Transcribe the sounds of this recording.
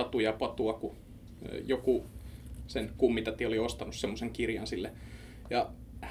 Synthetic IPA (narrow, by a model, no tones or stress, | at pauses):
ɑt̪ujɑpɑt̪uɑkṵ | joku | senkumːit̪ɑt̪ioliost̪ɑnussemːoseŋkirjɑnsilːe | jɑ | h